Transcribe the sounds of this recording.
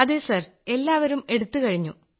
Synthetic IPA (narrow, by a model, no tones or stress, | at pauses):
ɐðɨsɐr | e̞lːaːʋɐɾume̞ɽut̪ːukɐɻiɲːṵ